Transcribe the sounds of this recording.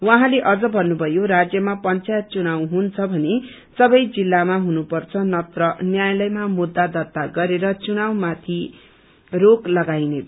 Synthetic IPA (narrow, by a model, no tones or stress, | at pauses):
wãɦãleʔʌd͡zʌbʱʌnːubʱʌjoɾad͡zjʌmapʌnt͡sajt̪̚t͡sunawɦunt͡sʰʌbʱʌne | sʌbʌjd͡zilːamaɦunupʌrt͡sʰʌnʌt̪rʌnjajlʌjmamud̪ːad̪ʌt̪ːaɡʌɾeɾʌt͡sunawmat̪ʰi | roklʌɡajne